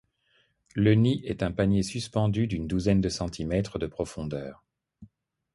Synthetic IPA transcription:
ləniʔɛt̪ɛ̃panjesyspɑ̃d̪yd̪ynd̪uzɛnd̪əsɑ̃t̪ʰimɛt̪χəd̪əpχɔfɔ̃d̪œːʁ

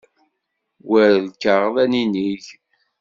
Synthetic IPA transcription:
wæɾlkːəʁðæniniʝ

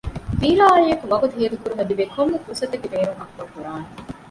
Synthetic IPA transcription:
fiːlaːɐlijɐkuʋɐɡut̪uɦeːlikuɾuɦɐd̪iʋekomːukusɐt̪ɐɡebeːnuŋɐkʋɐkuɾaːne

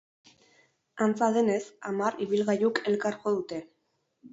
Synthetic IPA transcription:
ant͡saðe̞ne̞samaɾiβilɣajuke̞lkaɾko̞ðut̪e̞

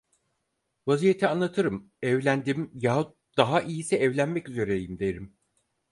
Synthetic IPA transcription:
vazijet̪ʰianlˠat̪ʰɯɾɯm | ɛvlʲænd̪imjaɦ | d̪aɦaʔijisɛːvlʲænmɛcyze̞ɾejimd̪eɾim

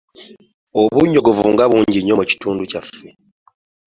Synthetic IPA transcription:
oβuɲːo̞ɡo̞vuŋɡaβuːɲɟiɲːo̞muci̥tuːnducafːe

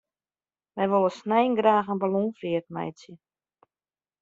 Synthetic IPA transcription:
mɛjʋolˠəsnɛjnɡraːxənbalɔːnfiət̚mɛ̰jt͡sjə

